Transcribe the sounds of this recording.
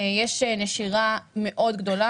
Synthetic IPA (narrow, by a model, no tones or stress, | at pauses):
jɛʃeneʃiʁameʔo̞d̪ɡd̪o̞la